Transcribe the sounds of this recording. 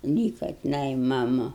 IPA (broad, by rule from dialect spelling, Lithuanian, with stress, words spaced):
ˈlʲiːkɐ tʲɪˈnɐɪ mɐˈmʊ